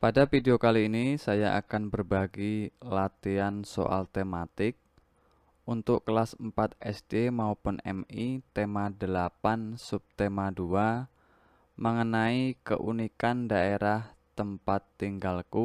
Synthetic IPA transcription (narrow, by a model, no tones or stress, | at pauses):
padafideokaliːnisajaʔa̰kanbərbaɡilat̪ianso̰ʔa̰lt̪emat̪ɪk̚ | ʔunt̪ʊkkəlasəmpat̪̚ɛsd̥emaupʊnɛ̰mit̪emadəlapansup̚t̪emadua | məŋənaikə̰ʔunikandaʔeɾaht̪əmpat̪ːiŋɡalku